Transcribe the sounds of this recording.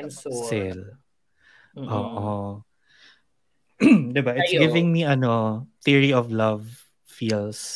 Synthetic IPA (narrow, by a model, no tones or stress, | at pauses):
ɪl | ʔoːʔo | d̪ɪbaʔɪt̪sɡɪvɪ̃ŋmiɐnoθiɹiɔvlɐv | fiːls